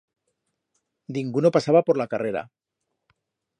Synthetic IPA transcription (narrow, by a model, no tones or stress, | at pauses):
d̪iŋɡuno̞pasaβapo̞ɾlakareɾa̰